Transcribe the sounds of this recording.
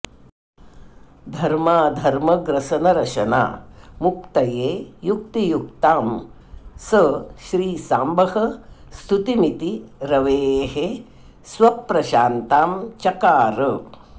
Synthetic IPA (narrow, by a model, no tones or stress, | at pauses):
d̪ʱɐɾmaːd̪ʱɐɾmɐɡɾɐʃɐnɐɾɐʃɐna̰ːmuk̚t̪ɐjeːjuk̚t̪ijuk̚t̪aːm | sɐʃɾiːsaːmbɐɦɐst̪ʰut̪imit̪iɾɐʋeːɦe | sʋɐpːɾɐʃaːnt̪aːmt͡ʃɐkaːɾə